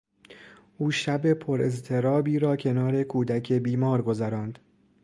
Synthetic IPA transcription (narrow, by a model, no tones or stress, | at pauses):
ʔuːʃæbe̞pʰoɾe̞zt̪ʰe̞ɾɒːbiːɾɒːcʰe̞nɒːɾe̞kʰuːd̪ækʰebiːmɒːɾɡo̞zæɾɒːnd̪̥